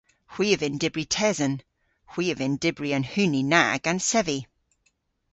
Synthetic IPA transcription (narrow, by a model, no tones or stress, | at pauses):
hw̥iːəvɪ̃ndɪbɹitʰɛzə̃n | hw̥iːəvɪ̃ndɪbɹiə̃nhʉːnina̰ɡ̥ə̃nsɛvi